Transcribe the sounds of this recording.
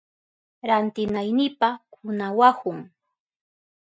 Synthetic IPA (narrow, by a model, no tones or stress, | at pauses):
ɾant̪ɪnajnɪpakʊnawahʊŋ